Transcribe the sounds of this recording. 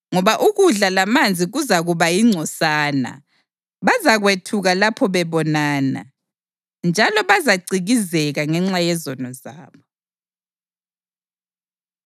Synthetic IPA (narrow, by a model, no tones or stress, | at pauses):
ŋɔβaʔuɣuɮalamand͡zʱiɣuzaɣuβajiŋ͡ǀʱɔsaːna̰ | βazaɣwetʰuɣalapʰɔβɛβɔnaːna̰ | nd͡ʒʱalɔβazaɡ͡ǀiɣizɛɣaŋɛŋ͡ǁajɛzɔnɔzaːβɔ